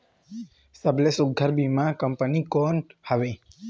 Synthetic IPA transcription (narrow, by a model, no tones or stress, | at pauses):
səblesuɡʱəɾbimãkəmpənikonhəʋe